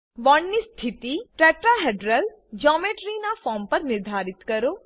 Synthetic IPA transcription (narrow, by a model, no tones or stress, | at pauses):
ʋɔɳːist̪ʰit̪iʈɾɛʈɾaɦeɖɾəl | d͡ʒɔmeʈɾinafɔmpəɾnɪɾd̪ʱaɾɪt̪kəɾo